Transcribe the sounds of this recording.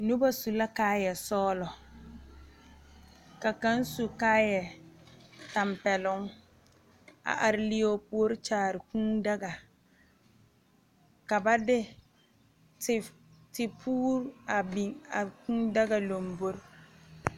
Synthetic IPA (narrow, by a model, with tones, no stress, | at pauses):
nu˦ba˦su˨la˦kaː˦jɛ˨sɔː˦lɔ˨ | ka˨ka˦n˦su˨kaː˦jɛ˨ | ta˨mpɛ˨lʊ˦ŋ | a̰˨ʔa˨ɾɪ˦li˦o˦pu˦o˦ɾɪ˦t͡ʃaː˨ɾɪ˨kũ˦da˦ɡa˨ | ka˨ba˦dɪ˦ | t | tɪ˨pʰuː˦ɾa˨bi˨ŋa˨kũ˦da˦ɡa˨lo˨mbo˦ɾ